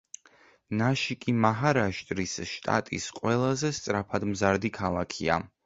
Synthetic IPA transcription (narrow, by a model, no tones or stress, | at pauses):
naʃikʼimaɦaɾaʃt̪ʼɾisʃt̪ʼa̰t̪ʼḭsqʼwɛlˠazɛst̪sʼɾapʰad̪mzaɾd̪ikʰalˠakʰia̰